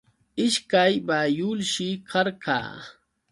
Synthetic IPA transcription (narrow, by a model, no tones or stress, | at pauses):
ɪʃkajbajʊlʃɪkʰɑɾka̰ː